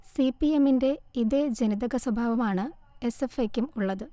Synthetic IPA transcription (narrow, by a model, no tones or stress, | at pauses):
sipːie̞minde̞iðed͡ʑenid̪ɐɣɐswɐbʱaːʋɐmaːɳɨ | e̞sefekʲːumuɭːɐðɨ